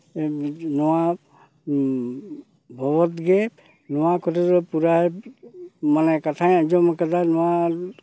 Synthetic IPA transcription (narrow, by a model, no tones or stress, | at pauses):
nɔwa | bʱɔbɔtɡɛ | nɔwakʰɔtɔɾɔpuɾaj | manɛkatʰajazɔmakatanɔwa